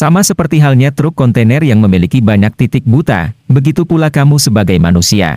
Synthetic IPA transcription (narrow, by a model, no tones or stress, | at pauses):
samasəpərt̪iɦalɲat̪ɾʊkːɔnt̪enɛrjaŋməmilikibaɲak̚t̪it̪ɪk̚but̪a̰bəɡit̪upulakamusəbaɡajma̰nusia̰